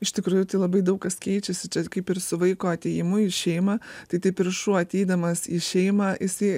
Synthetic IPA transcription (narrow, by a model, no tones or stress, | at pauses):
ɪʃt̪ʲɪkɾuːjʊt̪ɐɪlˠɐbɐɪd̪ɐʊkkɐskʲɛɪt͡ʃʲɛsʲɪt͡ʃʲɛkɐɪpɪɾsʊʋɐɪkoːɐt̪ʲejɪmʊiʃʲɛɪmɐt̪ɐɪt̪ɐɪpʲɪɾʃuːɐt̪ʲɛɪd̪ɐmɐsiːʃʲɛɪmɐːʔɪsɐɪ